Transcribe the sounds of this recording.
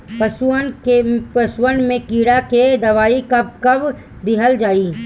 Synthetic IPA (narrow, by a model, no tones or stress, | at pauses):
pəsuənkepəswənmẽkiːɽaked̪ɐʋaːikɐb̚kɐb | d̪ɪɦəld͡ʒaːiː